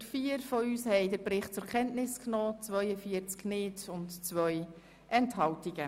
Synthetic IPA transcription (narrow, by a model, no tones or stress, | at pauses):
fiːəɾfɔyːshɛɪdəɾbɾɪχtt͡sʊɾkʰɛntnɪsknɔːt͡svœʏəfiːəɾt͡sknɪːtʊntt͡svœʏ | ʔɛnthɑltiɡ̥ə